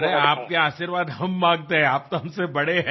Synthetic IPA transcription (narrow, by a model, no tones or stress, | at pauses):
ɾɛaːp̚keaːʃiɾʋaːd̪ɦɐmːãːŋɡt̪eɦɛ̃aːp̚t̪oɦɐmsebɐɽeɦɛː